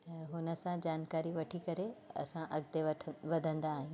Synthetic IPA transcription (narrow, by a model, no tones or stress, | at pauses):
ɦʊnə̆sãd͡ʑaːnkaːɾiʋɐʈʰikɐɾeɐ̰sãʔɐɡd̪eʋɐʋɐd̪ʱə̃nd̪aːɦijũ